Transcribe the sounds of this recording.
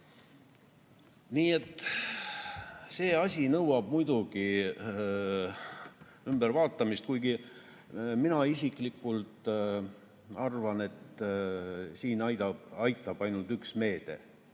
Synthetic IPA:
niːe̞t̪ːˑ | se̞ːɑsʲinɤwɑb̥̚mujd̪uɡ̥i | ymb̥eɾvɑːt̪ːˑɑmist̪̚kujɡi | minɑisiklikːˑult̪ | ɑrvɑne̞t̪ | siːnɑjd̪ɑb̥ɑjt̪ːˑɑb̥ɑjnult̪yksme̞ːd̪̥e̞̰

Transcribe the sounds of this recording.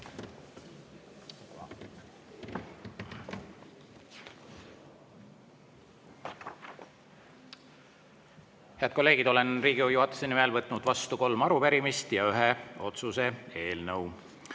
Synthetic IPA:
heɑːd̪̥ko̞lːeːɡ̥id̪̥o̞le̞nriːɡijuhɑt̪ːˑesenimelvɤt̪ːˑnud̪̥vɑst̪uko̞lmɑɾupæɾimist̪jɑyɦeo̞t̪suse̞e̞ːlnɤw

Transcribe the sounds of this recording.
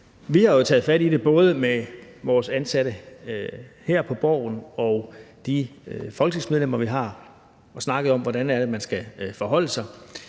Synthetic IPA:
ʋihɑ̈jot͡sʰɛ̰ːð̞̩ˠfæɾide̝b̥ɔ̽ːð̞ˠəmeʋɒːsænsæɾ̥ə | hɛɐ̰pʰɒ̽b̥ɒ̰ʊ̰nɒ̽ʊd̥ifɒ̽lɡ̥t͡sʰismeðˠlem̰ɐʋiɦɑ̈ | ɒ̽snɑ̈ɡ̥əð̞̩ˠɒ̽m̰ʋɒɾænæɐɾ̥e̝mænsɡ̥æfɒ̽ɦɒ̽l̰əsɑ̈ɪ

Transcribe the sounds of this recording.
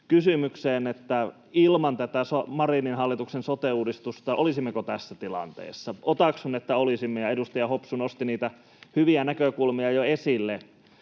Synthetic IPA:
kysymykseːnet̪ːæ | ilmɑnt̪æt̪æsomɑrininhɑlːit̪uksensot̪euːdist̪ust̪ɑʔolisimːekot̪æsːæt̪ilɑ̰nt̪ḛːsːɑʔot̪ɑksunet̪ːæolisimːejɑedust̪ɑjɑhopsunost̪iniːt̪æ | hyʋiænækøkulmiɑjoesilːe

